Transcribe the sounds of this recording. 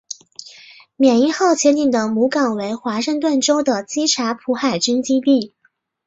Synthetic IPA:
mjɛ˨˩ni˥xɑ˥˩ʊt͡ɕʰjɛ˧˥nt̪i˨˩ŋd̪ə˩mu˧˥kɑ˨˩ŋwe˧˥ɪxwa˧˥ʂɤ˥˧ŋt̪̬wə˥˩nʈ͡ʂo˥ʊd̪ə˨t͡ɕi˥ʈ͡ʂʰa˧˥pʰu˧˥xa˨˩ɪt͡ɕy˥ŋt͡ɕi˥p̪i˥˩

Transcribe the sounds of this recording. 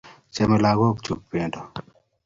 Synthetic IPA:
t͡ʃɛ˦mɛ˨la˨ɡɔ˦k̚t͡ʃu˨k̚pe˨ndo˨

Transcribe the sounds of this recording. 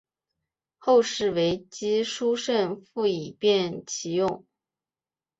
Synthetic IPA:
xo˥˧ʊʂɻ̩˥˩we˧˥ɪt͡ɕi˥ʂu˥ʂə˥˧nfu˥˩i˨˩pjɛ˥˩nt͡ɕʰi˧˥jʊ˥˩ŋ

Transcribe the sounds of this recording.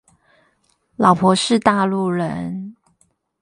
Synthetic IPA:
lɑ˨˩ʊpʰwɔ˧˦ʂɻ̩˥˧t̪a˥˧lu˥˩ɻə˧˦n

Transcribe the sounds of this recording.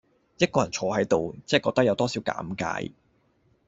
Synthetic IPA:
jɐ˥t̚kːɔː˧jɐ˨˩nt͡ʃʰɔː˨˧hɐ˨˥jt̪o˨wt͡sɛ˥˨kɔː˧k̚t̪ɐ˥jɐ˨˧wt̪ɔː˥si˨˥wka̰ː˨˥mka̰ː˧j

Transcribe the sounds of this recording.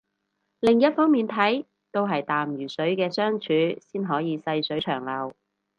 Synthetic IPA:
lɪ˨ŋjɐ˥t̚fɔː˥ŋmiː˨nt̪ʰɐ˨˥j | t̪o˥wɦɐ˨jt̪aː˨mjyː˨˩sɵ˨˥ɥkɛː˧sœː˥ŋt͡ʃʰyː˨˥siː˥nɦɔː˨˥jiː˨˧sɐ˧jsɵ˨˥ɥt͡ʃʰœː˨˩ŋlɐ˨˩w

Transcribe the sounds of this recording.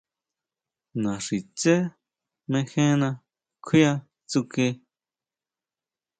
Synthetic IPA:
nã˨ʂi˨t͡se˦ | mẽ˧xẽ˦nã˧ | kʰi˦a˧ | t͡su˧ke˧˦

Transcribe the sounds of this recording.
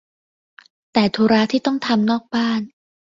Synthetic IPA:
t̪ɛː˨˩t̪ʰuː˧ɾaː˦˥t̪ʰiː˥˩t̪ɔ˥˩ŋt̪ʰa˧mnɔː˥˩k̚baː˥˩n

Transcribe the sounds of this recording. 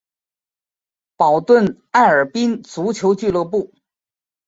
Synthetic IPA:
pɑ˨˩ʊt̪wə˥˩n | a˥˩ɪə˞˨˩pi˥ŋt͡su˧˥t͡ɕʰjo˧˥ʊt͡ɕy˥˧lɤ˥˧pu˥˩

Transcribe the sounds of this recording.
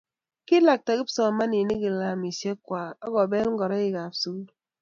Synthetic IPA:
ki˦la˨k̚ta˨ɣi˦psɔ˨a˨ma˦ni˨ni˦ɡi˨la˨mi˨sje˦kwaː˨ɔ˦ɣɔ˨be˦lŋ̩˦ɡɔ˨ɾa˦e˨ɣa˨su˦

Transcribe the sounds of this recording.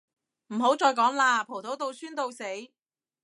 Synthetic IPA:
m̩˨˩ɦo˨˥wt͡sɔː˧jkɔː˨˥ŋlaː˧pʰo˨˩wt̪ʰo˨˥wt̪o˧wsyː˥nt̪o˧wse˨˥j

